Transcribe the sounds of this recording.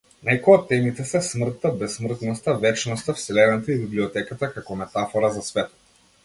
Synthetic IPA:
najkɔat̪ɛmit̪ɛsɛsmr̩t̪ːabɛsːmr̩t̪nɔst̪avɛt͡ʃnɔst̪afsilɛnɛt̪aibibliɔt̪ɛkat̪akakɔmɛt̪afɔɾazasvɛt̪

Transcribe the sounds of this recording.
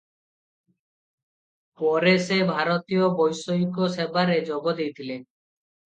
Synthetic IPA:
pɔɾesebʱaɾot̪ijobɔjʃoikosebaɾed͡ʑɔbod̪ejt̪ʰile

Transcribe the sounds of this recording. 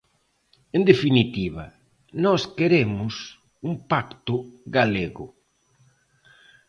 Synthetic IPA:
end̪efinit̪iβɐ | nɔskeɾemʊs | uŋpakt̪ʊɣaleɣʊ

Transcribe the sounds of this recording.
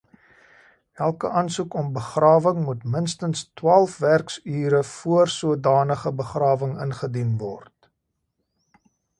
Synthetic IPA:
ælˠkəʔɐnsukɔmbəχrɑːvəŋmutmənstənstwɑːlˠfværksyːɾəfuərsuədɑːnəχəbəχrɑːvəŋə̰nχədinvɔ̰rt

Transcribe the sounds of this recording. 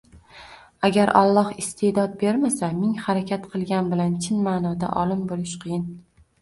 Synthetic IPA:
aɡʲaɾʔa̰lˠːɒhɪst̪ʰe̞d̪ɒd̪̚be̞ɾmasamɪŋhaɾakʲʰat̪qʰɨlˠɡʲanbɪlant͡ʃʰɪnmaːnɒd̪a̰ʔɒlˠɪmbolɪʃqʰɨjɪn

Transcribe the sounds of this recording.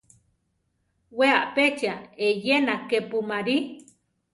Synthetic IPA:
weaʔpet͡ʃaejenakepumaɾi

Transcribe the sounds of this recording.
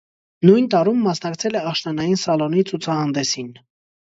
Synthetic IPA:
nujnt̪ɑɾumːɑsnɑkt͡sʰɛlɛɑχʃnɑnɑjinsɑlɔnit͡sʰut͡sʰɑhɑnd̪ɛsin

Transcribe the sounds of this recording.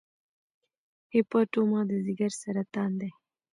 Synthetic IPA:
hepaʈomɑd̪əzɪɡaɾsaɾat̪ɑnd̪e

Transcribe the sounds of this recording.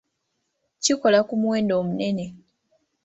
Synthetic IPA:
ciko̞lakumweːndo̞ːmune̞ne̞

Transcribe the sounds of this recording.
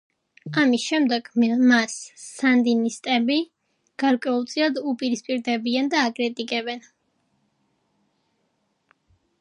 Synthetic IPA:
amisʃɛmd̪ɛɡ̥masːand̪inist̪ʼɛbi | ɡ̥aɾkʼwɛulˠt̪sʼilˠad̪upʼiɾispʼiɾd̪ɛbiand̪aːkʼɾit̪ʼikʼɛbɛn

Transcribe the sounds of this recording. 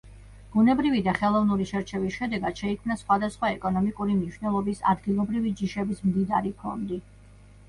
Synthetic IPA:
b̥unɛbɾivid̪aχɛlˠɔvnuɾiʃɛɾt͡ʃʰɛvisʃɛd̪ɛɡad̪̥ʃɛikʰmnasχwad̪asχwaɛkʼɔnɔmikʼuɾimniʃnɛlˠɔbisa̰d̪ɡilˠɔbɾivid͡ʒiʃɛbismd̪id̪aɾipʰɔ̰nd̪i

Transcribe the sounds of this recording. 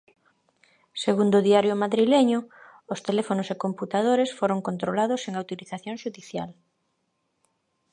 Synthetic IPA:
seɣund̪ʊðiaɾjʊmaðɾileɲʊ | ʊst̪elefonosekomput̪að̞oɾesfoɾoŋkont̪ɾolaðoseŋawt̪iliθaθjoŋʃuðiθja̰l

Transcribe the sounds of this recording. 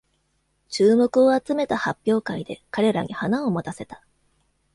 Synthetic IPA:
t͡ɕɨːmo̞kɯ̟o̞at͡sɨme̞t̪ahapʲːjo̞ːkaid̪e̞̰kaɾe̞ɾa̰ɲ̟ihanaomot̪ase̞t̪ḁ

